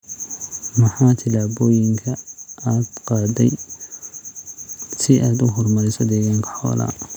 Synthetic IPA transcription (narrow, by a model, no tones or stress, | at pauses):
mɐħɑːt̪ʰɪlaːbɔːjɪŋkʰɐʔaːd̪qɑːd̪ɛ̰j | sɪʔaːd̪ʊɦɔrmɐɾɪsɐd̪ɛːɣaːŋkʰɐ̥ħɔ̰ːlɐ̰